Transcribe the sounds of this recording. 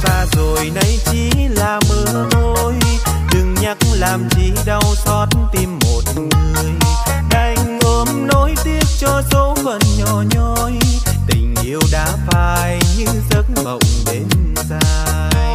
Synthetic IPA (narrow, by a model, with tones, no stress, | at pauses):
saː˧zo˨˩jna˧˦jt͡ɕi˧˩˦laː˨˩mɨ˨˧˦ət̪o˧j | ɗɨ˨˩ŋɲa˧˥k̚laː˨˩mzi˧˩ɗa˧˩wsɔ˨˦t̚nt̪i˧mːo˨˩t̚ŋŋ˨ɨ˨˩əj | ɗa˧˩jŋ̟ʔəː˨˧˦mnɔ˨˦jt̪i˦˧˥əp̚t͡ɕɔ˧so˨˦fə˨˩nɲɔ˨˩ɲɔ˧jt̪ï˨˩ŋ̟ʔi˧əwɗa̰ː˧˥faː˧˩jɲɨ˧zə˨˦˥t̚mə̰˧˨wŋ͡mɗe˨˦n | zaː˧ | jj